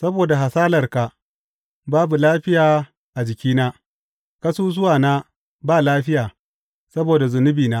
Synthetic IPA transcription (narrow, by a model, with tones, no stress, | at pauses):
sɐ˦boː˨da˨ɦa˨saː˦lɐ˨rka˨ | baː˦bu˨laː˦ɸɪ˦jaː˨ | ʔa˨d͡ʒɪ˨kʲiː˦naː˦ | kɐ˦suː˦zʊ˦waː˨naː˦ | baː˦˨laː˦ɸɪ˦jaː˨ | sɐ˦boː˨da˨zʊ˨nʊ˦biː˨naː˦